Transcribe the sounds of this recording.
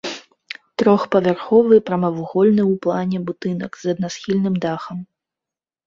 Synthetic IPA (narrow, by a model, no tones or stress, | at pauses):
t̪ɾɔxpɐvʲarxɔvɨpɾɐmɐvuɣɔlʲnɨwplˠanʲɛbut̪ɨnɐ̰kzɐd̪̚nasxʲilʲnɨmd̪axɐm